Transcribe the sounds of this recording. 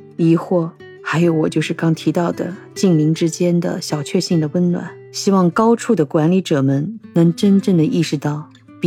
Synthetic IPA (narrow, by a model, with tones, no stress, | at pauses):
i˧˥xwɔ˥˩ | xa˧˥ɪjo˧˥ʊwɔ˨˩t͡ɕjo˥˧ʊʂɻ̩˥˩kɑ˥ŋt̪ʰi˧˥t̪ɑ˥˩ʊd̪ə̰˩ | t͡ɕi˥˩ŋli˧˥ŋʈ͡ʂɻ̩˥t͡ɕjɛ˥nd̪ə̰˨ɕjɑ˨˩ʊt͡ɕʰɥɛ˥˧ɕi˥˩ŋd̪ə˩wə˥nnwa̰˨˩˦n | ɕi˥wɑ˥˩ŋkɑ˥ʊʈ͡ʂʰu˥˩d̪ə˩kwa˧˥nli˧˥ʈ͡ʂɤ˨˩mə˧nnɤ˧˥ŋʈ͡ʂə˥nʈ͡ʂɤ˥˩ŋd̪ə˩ʔi˥˩ʂɻ̩˧˥t̪ɑ˥˩ʊ | p